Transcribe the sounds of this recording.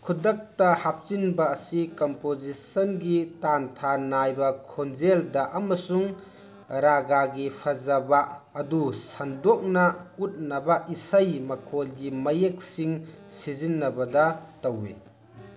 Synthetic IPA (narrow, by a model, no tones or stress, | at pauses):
kʰudɐk̚tɐhap̚t͡ʃinbɐːsikompozisɐnɡitantʰanajbɐkʰond͡ʒeldɐʔɐmɐsuŋ | ɾaɡaɡipʰɐzɐbaɐdusɐndɔk̚nɐut̚nɐbɐʔisɐjmɐkʰolɡimɐjek̚siŋsizinːɐbɐdɐtɐwḛ